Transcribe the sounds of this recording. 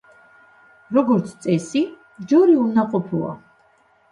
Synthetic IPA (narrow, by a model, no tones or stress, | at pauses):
ɾɔɡɔɾt̪sʰt̪sʼɛsi | d͡ʒɔɾiunaqʼɔpʰua̰